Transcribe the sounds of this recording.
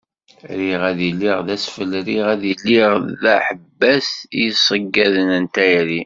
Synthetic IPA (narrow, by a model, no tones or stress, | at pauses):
ɾiʁæðilːiʁðæsfəlɾiʁæðilːiʁðæħəbːæsjəsˤəɡːæðənənt̪æjɾi